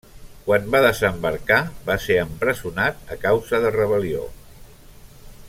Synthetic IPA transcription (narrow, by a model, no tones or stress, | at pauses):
kwanbaðəzəmbəɾkaβaseəmpɾəzunat̪̚əkawzəðərəβ̞əlio̰